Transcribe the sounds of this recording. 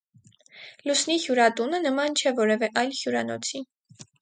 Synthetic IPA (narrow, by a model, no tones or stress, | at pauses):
lusnihjuɾɑt̪unənəmɑnt͡ʃʰɛvɔɾɛvɛʔɑjlhjuɾɑnɔ̰t͡sʰi